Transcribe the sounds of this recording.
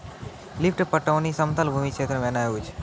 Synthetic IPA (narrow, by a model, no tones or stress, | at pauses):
lipʰʈpɐʈːɐʋnisɐmt̪ɐlbʱuːmikʃʰeːt̪ɾɐmɐnaːuːt͡ʃʰ